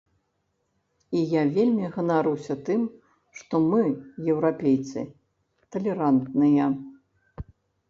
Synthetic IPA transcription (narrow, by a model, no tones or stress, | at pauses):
ijavʲelʲmʲiɣɐnaɾuwsʲɐt̪ɨm | ʂt̪ɔmɨjɛwɾapʲejt̪sɨ̰ | t̪ɐlʲɛɾant̪nɨjɐ